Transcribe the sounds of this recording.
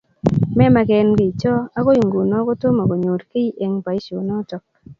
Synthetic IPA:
mɛ˦ma˨kɛ˨nɡɪ˨t͡ʃɔ˦a˦ko˦i˨ŋɡo˨nɔ˦ko˦to˦ma˨ko˨ɲo˨ɾke˦i˦ʔe˨ŋpa˨i˦t͡ʃo˨nɔ˦tɔ˨k̚

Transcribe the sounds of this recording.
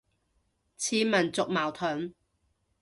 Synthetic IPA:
t͡sʰiː˨˥mɐ˨˩nt͡sʊ˨k̚maː˨˩wt̪ʰɵ˨˥n

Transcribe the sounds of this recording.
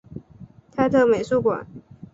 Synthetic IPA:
t̪ʰa˥˧ɪt̪ʰɤ˥˩me˨˩ɪʂu˥˩kwa̰˨˦n

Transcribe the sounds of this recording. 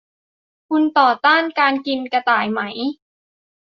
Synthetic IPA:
kʰu˧nt̪ɔː˨˩t̪aː˥˩nkaː˧nki˧nka˧t̪aː˨˩jma˦˥j

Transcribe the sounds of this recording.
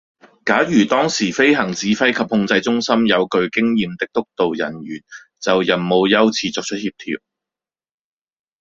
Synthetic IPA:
kaː˨˥jyː˨˩t̪ɔː˥ŋsiː˨˩fe˥jɦɐ˨˩ŋt͡siː˨˥fɐ˥jkʰɐ˨p̚hʊ˧ŋt͡sɐ˧jt͡ʃʊ˥ŋsɐ˥mjɐ˨˧wkɵ˧ɥkɪ˥ŋjiː˨mt̪ɪ˨k̚t̪ʊ˥k̚t̪o˨wjɐ̰˨˩nɥyː˨˩n | t͡sɐ˨wjɐ˨˩nmo˨˧wjɐ˥wt͡sʰiː˧t͡sɔː˨k̚t͡ʃʰɵ˥t̚hi˧p̚t̪ʰḭː˧w̚

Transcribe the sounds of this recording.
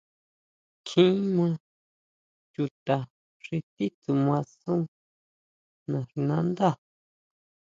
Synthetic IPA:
kʰĩ˦mã˧ | ju˧t̪a˨ | ʐ̥i˧t̪i˦t̪u˨mã˧sũ˦ | nã˨ʐi˧nã˦nd̪a˦˨

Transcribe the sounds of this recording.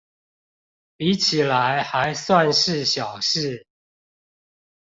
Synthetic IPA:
pi˨˥˦t͡ɕʰi˨˩la˨˦ɪxa˨˧˦ɪswa˥˨nʂɻ̩˥˨ɕjɑ˨˩ʊʂɻ̩˥˨

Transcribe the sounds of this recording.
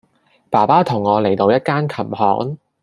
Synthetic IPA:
paː˨˩paː˥t̪ʰʊ˨˩ŋːɔː˨˧le˨˩jt̪o˨˧wjɐ˥t̚kaː˥nkʰɐ˨˩mhɔ̰ː˨˥ŋ

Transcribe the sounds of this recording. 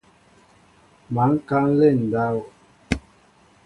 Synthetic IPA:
ma˨˦ŋ̩˦ka˦n̩˦lɛ˦˨n̩˨da˦w

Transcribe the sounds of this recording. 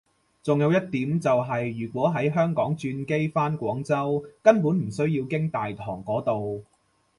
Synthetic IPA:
t͡sʊ˨ŋjɐ˧wjɐ˥t̚t̪ːiː˨˥mt͡sɐ˨wɦɐ˨jːyː˨˩kwɔː˨˥ɦɐ˨˥jɦœː˥ŋkɔː˨˥ŋt͡ʃyː˧nke˥jfaː˥nkʷɔː˨˥ŋt͡sɐ˥wkɐ˥npu˨˥nm̩˨˩sɵ˥ɥjiː˧wkɪ˥ŋt̪aː˨jt̪ʰɔ̰ː˨˩ŋkɔː˨˥t̪o˨w

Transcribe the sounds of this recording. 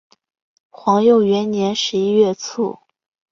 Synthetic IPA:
xwɑ˧˥ŋjo˥˩ʊɥɛ˧˥nnjɛ˧˥nʂɻ̩˧˥i˥ɥɛ˥˧t͡sʰṵ˥˩

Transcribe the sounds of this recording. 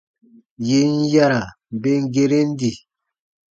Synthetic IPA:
je˨˦n˦ja˦ɾa˨ | be˦ŋ˦ɡe˦ɾe˦n˦di˨

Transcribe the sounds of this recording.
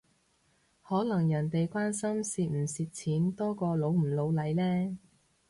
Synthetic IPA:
hɔː˨˥lɐ˨˩ŋjɐ˨˩nt̪e˨jkʷwaː˥nsɐ˥msiː˧t̚m̩˨˩siː˨t̚t͡sʰiː˨˥nt̪ɔː˥kɔː˧lo˨˥wm̩˨˩lo˨˧wlɐ˨˥jlɛː˥

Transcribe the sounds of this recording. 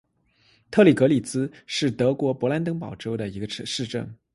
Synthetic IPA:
t̪ʰɤ˥˩li˨˩kɤ˧˥li˨˩t͡sɹ̩˥ʂɻ̩˥˩t̪ɤ˧˥kwɔ˧˥pwɔ˧˥la˧˥nt̪ɤ˥ŋpɑ˨˩ʊʈ͡ʂo˥ʊd̪ə˨i˧˥ɡə˧ʈ͡ʂʰʂɻ̩˥˧ʈ͡ʂə̰˥˩ŋ

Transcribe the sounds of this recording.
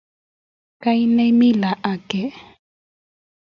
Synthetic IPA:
ka˦i˦nɛ˦mi˦la˨ʔa˨kɛ˦˨

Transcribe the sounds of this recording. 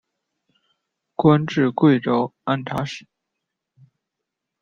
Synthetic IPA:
kwə˥nʈ͡ʂɻ̩˥˧kwe˥˩ɪʈ͡ʂo˥ʊa˥˩nt̪ʰa̰˧˥ʂ̩˨˩˦

